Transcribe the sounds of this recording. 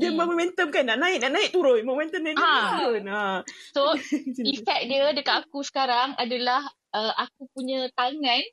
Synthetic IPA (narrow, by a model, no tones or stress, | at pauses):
diəmamomɛ̃nt̪əmkanaʔnaɪʔnaʔnaɪʔ̚t̪uɾojmõmɛ̃nt̪əmnaiʔaonasoiffɛk̚diədəkat̪akusə̥kaɾaŋadalah | ʔəʔakupuɲə̃t̪aŋãn